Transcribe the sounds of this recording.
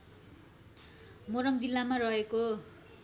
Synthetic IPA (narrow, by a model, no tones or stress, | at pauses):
moɾʌŋd͡zilːamarʌɦeko